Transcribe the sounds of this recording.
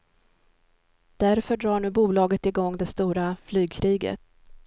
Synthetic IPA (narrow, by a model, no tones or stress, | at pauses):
d̪̥æɾfœɖɾɑːɳʉ̟ːbuːlɑːɡət̪ɪɡɔŋːd̪ɛst̪uːɾaflyːɡ̚kʰɾiːɡə̰t̪̚